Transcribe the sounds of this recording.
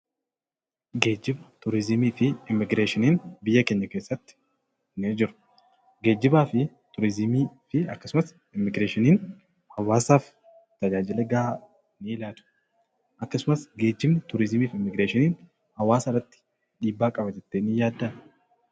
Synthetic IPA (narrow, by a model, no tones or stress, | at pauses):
ɡe̞ːd͡ʒːɪbɐt̪ʊɾɪzɪmiːfɪɪmːɪɡɾeːʃɪniːnbɪjːɐkeːɲːɐke̞ːsːɐt̪ːɪ̥ | ned͡ʒɪɾʊ̥ | ɡe̞ːd͡ʒːɪbaːfɪ | t̪ʊɾɪzɪmiːfɪɐkːɐsʊmɐs | ɪmːɪɡɾeːʃɪniːn | hɐwːaːsaːf | t̪ɐd͡ʒaːd͡ʒɪlɛɡa | nɪɪlaːt̪ʊ̥ | ʔɐkːɐsʊmɐsɡe̞ːd͡ʒːɪbnɪt̪ʊɾɪzɪmiːfɪmːɪɡɾeːʃɪniːn | hɐwːaːsɪrːɐt̪ːɪ̥ | ᶑiːbːaːkʼɐbɐd͡ʒɛt̪ːeːnɪjaːd̪ːaː